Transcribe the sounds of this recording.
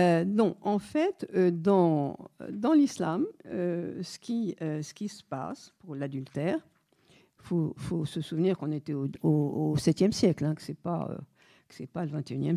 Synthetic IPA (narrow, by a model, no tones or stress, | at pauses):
ønɔ̃ɑ̃fɛt̪ød̪ɑ̃d̪ɑ̃lislamøsə̥kʲiøsə̥kʲisə̥pa̰spuʁlad̪ylt̪ɛʁ | ifofosəsuvniʁkɔ̃net̪ɛooosɛt̪jɛmsjɛklɛ̃kə̥sɛpa̰ø̰ | kə̥sɛpaləvɛ̃t̪eynjɛm